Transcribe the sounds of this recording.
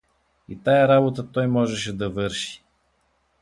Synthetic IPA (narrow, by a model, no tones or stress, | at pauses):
ḭt̪ajaɾabot̪at̪ɔjmɔʒɛʃ̬ɛd̪ɐvɤɾʃi̥